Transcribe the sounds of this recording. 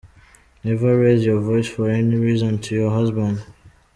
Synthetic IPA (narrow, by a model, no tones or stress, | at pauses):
nɛvəɹezjɔvɔɪsfɔɹɛniɹizɔ̃ntʰujɔɦʌzbə̃nd